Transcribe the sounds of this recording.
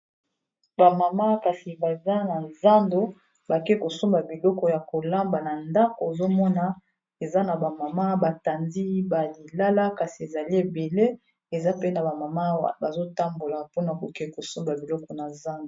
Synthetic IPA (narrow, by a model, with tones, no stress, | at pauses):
ba˨ma˨ma˦ka˨si˨ba˨za˦na˨za˦ndo˦ | ba˨kɛ˦ko˨so˦mba˨bi˨lɔ˦kɔ˨ja˨ko˨la˦mba˨na˨nda˦ko˨e˨zo˦mɔ˦na˨ | e˨za˦na˨ba˨ma˨ma˦ba˨ta˨ndi˦ba˨li˨la˦la˦ka˨si˨e˨za˨li˦e˨be˨le˦ | e˨za˦pe˦na˨ba˨ma˨ma˦wa̰˨ba˨zo˦ta˦mbo˨la˨po˦na˨ko˨kɛ˦˨ko˨so˦mba˨bi˨lɔ˦kɔ˨na˨za˦ndo˨